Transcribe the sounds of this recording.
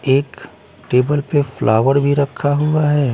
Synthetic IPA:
eːk | ʈeːbəlpeflʔaːʋəɾbʱiɾɐkʰːaɦuaɦɛː

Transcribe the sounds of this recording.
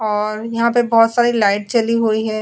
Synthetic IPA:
ɔːɾjɐɦãpebɔːt̪saːɾilaɪʈ̚t͡ʃɐliɦoiɦɛː

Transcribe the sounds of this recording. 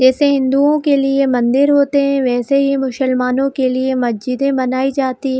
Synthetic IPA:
d͡ʒɛːseɦɪ̃nd̪uõkeliemɐ̃nd̪ɪɾɦoːt̪eɦɛ̃ʋɛːseɦimʊʃəlmaːnõkeliemɐsd͡ʒɪd̪ẽbɐnaːid͡ʒaːt̪iɦ

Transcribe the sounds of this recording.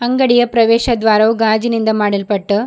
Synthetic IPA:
ɐŋɡɐɽijɐpɾɐʋeːʃɐd̪ʋaːɾɐuɡaːd͡ʒinind̪ɐmaːɽilpɐʈːu

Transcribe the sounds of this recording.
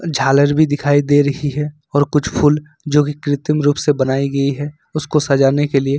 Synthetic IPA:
d͡ʒʱaːləɾbʱid̪ɪkʰaːid̪eɾɐɦiɦɛ | ɔːɾkʊt͡ʃʰpʰuːl | d͡ʒoːkikɾɪt̪əmɾuːpsebɐnaːiɡɐiɦɛ | ʊskosad͡ʒaːnekelie

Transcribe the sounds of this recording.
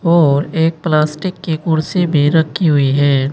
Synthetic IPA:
ɔːɾeːk̚plaːsʈɪkːekʊɾsebʱiɾɐkʰiɦʊiɦɛː

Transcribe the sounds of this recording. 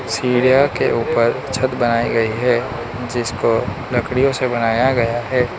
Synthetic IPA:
siːɾijakeʔuːpəɾt͡ʃʰət̪bɐnaːiɡɐiɦɛː | d͡ʒɪsko | lɐkɽijõsebɐnaːjaɡɐjaɦɛː

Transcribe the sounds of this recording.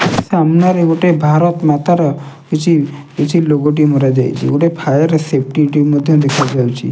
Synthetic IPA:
seamnaɾeoʈebʱaɾɔt̪mat̪aɾɔkit͡ʃʰikit͡ʃʰiloɡoʈ̬imɔɾad͡ʒajt͡ʃʰḭoʈepʰajəɾesep̚ʰʈiʈimɔd̪ʱjɔd̪ekʰad͡ʒawt͡ʃʰḭ

